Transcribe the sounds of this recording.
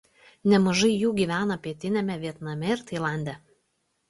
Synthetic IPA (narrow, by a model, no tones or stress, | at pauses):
nʲɛmɐʒɐɪjuːɡʲiːʋʲæːnɐpʲiɛt̪ʲɪnʲɛmʲɛʋʲiɛt̪nɐmʲɛɪɾt̪ɐɪlˠɑˑnʲd̪ʲɛ